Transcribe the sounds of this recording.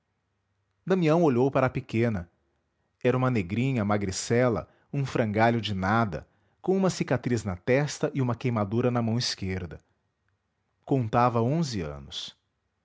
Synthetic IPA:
d̪ɐ̃miɐ̃w̃oʎowpaɾɐapikẽnɐ | ɛɾɐũmɐneɡɾĩɲɐmaɡɾisɛlɐ̰ | ũfɾɐ̃ŋɡaʎʊd͡ʒɪnad̪ɐ̰ | kõũmɐsikat̪ɾiznɐt̪ɛst̪ɐʔɪũmɐkejmad̪uɾɐnɐmɐ̃w̃iskeɾd̪ɐ | kõnt̪avɐõzɪɐ̰̃nʊs

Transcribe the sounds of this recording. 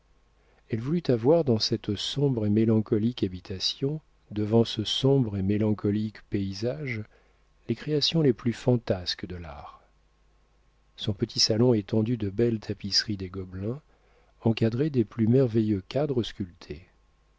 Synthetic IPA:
ɛlvulyt̪avwaʁd̪ɑ̃sɛt̪sɔ̃bʁemelɑ̃kɔlikabit̪ʰasjɔ̃ | d̪əvɑ̃səsɔ̃bʁemelɑ̃kɔlikpeizaʒ | lekχeasjɔ̃leplyfɑ̃t̪askd̪əla̰ːʁ | sɔ̃pət̪ʰisalɔ̃et̪ɑ̃d̪yd̪əbɛlt̪ʰapisχid̪eɡɔblɛ̃ | ɑ̃kad̪ʁed̪eplymɛʁvejøkʲad̪ʁəskʲylt̪ʰe

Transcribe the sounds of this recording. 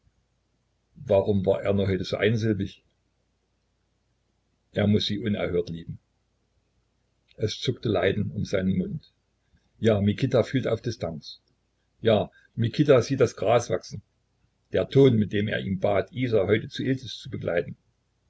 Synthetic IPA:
vaːʁʊmva̰ːɐʔeːɐnuːɐɦɔʏtəz̥o̰ːʔaɪnzɪlbɪç | ʔeːɐmʊsz̥iːʔʊnɛ̰ɐɦøːɐtliːbm̩ | ʔɛst͡sʊktəlaɪdn̩ʊmzaɪnənmʊnt | jaːmikʰɪtafyːlta̰ʊfd̥ɪstʰans | jaː | mikʰɪtaziːt̚d̥asɡ̥ʁaːsv̥a̰ksn̩ | d̥eːɐtʰoːnmɪt̚d̥eːmḛːɐʔiːmbaːtʰʔiːzaɦɔʏtət͡suʔɪldəst͡subəɡlʔa̰ɪtn̩

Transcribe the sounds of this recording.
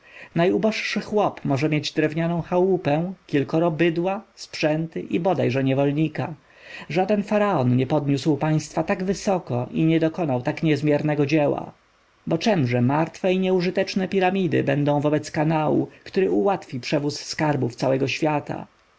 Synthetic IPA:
najubɔʂʂɘxwɔpmɔʐɛmʲjed͡ʑd̪ɾɛvɲanɔ̃w̃xawupɛ̃kʲilkɔɾɔbɘd̪waspʂɛnt̪ɘʔibɔd̪ajʐɛɲɛvɔlɲika | ʐad̪ɛnfaɾaɔnɲɛpɔd̪ɲuswpaj̃st̪fat̪aɡvɘsɔkɔʔiɲɛd̪ɔkɔnawt̪akɲɛzmʲjɛɾnɛɡɔd͡ʑɛwa̰ | bɔt͡ʂɛmʐɛmaɾt̪fɛiɲɛuʐɘt̪ɛt͡ʂnɛpʲiɾamʲid̪ɘ̰bɛnd̪ɔ̃w̃vɔbɛt̪skanawṵkt̪uɾɘuwat̪fʲipʂɛvusːkaɾbuft̪sawɛɡɔɕfʲjat̪a̰

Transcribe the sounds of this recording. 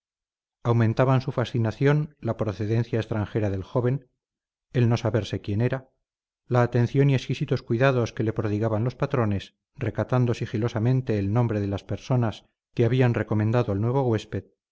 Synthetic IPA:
awmẽnt̪aβansufasθinaθjo̞nlapɾoθeðe̞n̟θjaest̪ɾaŋxe̞ɾaðe̞lxo̞β̞e̞n | e̞lno̞saβe̞ɾse̞kje̞ne̞ɾa | laːt̪ẽ̞n̟θjo̞nie̞skisit̪o̞skwiðaðo̞ske̞le̞pɾoðiɣaβanlo̞spat̪ɾo̞nes | re̞kat̪and̪o̞sixilo̞samẽ̞nt̪e̞ːlnõ̞mbɾe̞ðelaspe̞ɾso̞nas | keaβianre̞ko̞mẽnd̪aðoalnwe̞β̞o̞ɣwe̞spe̞ð

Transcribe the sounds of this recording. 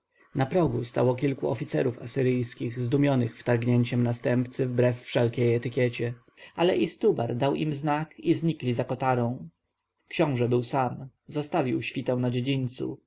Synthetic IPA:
napɾɔɡust̪a̰wɔkʲilkuɔfʲit̪sɛɾufa̰sɘɾɘjskʲiɣzd̪umʲjɔnɘxft̪aɾɡɲeɲt͡ɕɛmnast̪ɛmpt̪sɘvbɾɛfːʂɛlkʲejɛt̪ɘkʲjɛt͡ɕɛ | alɛʔist̪ubaɾd̪awʔḭmznakizɲiklʲizakɔt̪aɾɔ̃w̃ | kɕɔ̃w̃ʐɛbɘwsamzɔst̪avʲiwɕfʲit̪ɛw̃nad͡ʑed͡ʑiɲt̪sṵ

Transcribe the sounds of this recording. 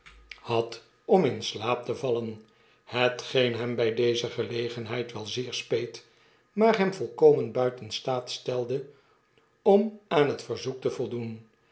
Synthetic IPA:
hɑt | ɔmɪnslaːp̚təvɑlən | hətχejnɦɛmbɛjdejzəχəlejχənɦɛjtʋɛlˠzɪːɹspejt | maːɹɦɛmvɔlˠkowmənbœɥtənstaːtstɛlˠdə | ɔmaːnɦətfəɹzuk̚təvɔlˠdun

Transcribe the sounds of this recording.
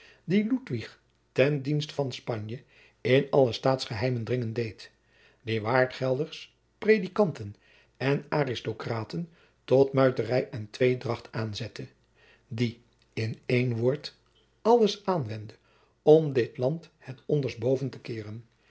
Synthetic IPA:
dilutʋiχ | tɛndinstə̥fɑnspɑɲjə | ɪnɑləstaːtsχəɦɛjməndrɪŋəndejt | ʋɪːɹʋaːɹtχɛlˠdəɹs | prejdikɑntən | ɛnaːrɪstokraːtən | tɔtmœɥtərɛjɛntʋejdrɑχtaːnzɛtə | di | ɪnejnʋʊːɹt | ɑləsaːnʋɛndə | ɔmdɪtlɑnthɛtɔndəɹsbowvəntəkɪːrən

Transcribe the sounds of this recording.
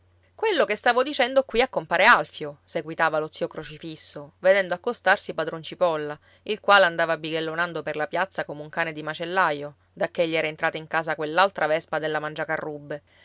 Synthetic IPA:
kwelːokest̪aːvod̪it͡ʃɛnd̪okwiakːompaːɾealfjoseɡwit̪aːvalot̪siːokɾot͡ʃifisːoved̪ɛnd̪oakːost̪arsipad̪ɾont͡ʃipɔlːa | ilkwaːleand̪aːvabːiɡelːonand̪operlapjat̪sːakomeuŋkaːned̪imat͡ʃelːajo | d̪akːeʎːiɛːɾaent̪ɾaːt̪aiŋkaːzakwelːalt̪ɾʔavɛspad̪elːamand͡ʒakarːubːe

